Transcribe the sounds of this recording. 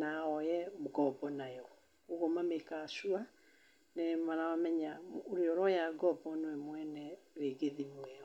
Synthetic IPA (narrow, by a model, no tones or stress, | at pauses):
naɔjɛmuɡɔbɔnajɔ | oɣomamekasua | nɛmanawamɛɲaoɾeɔɾɔjaɡɔbɔnwɛmwɛnɛɾeɡeðimɛɔ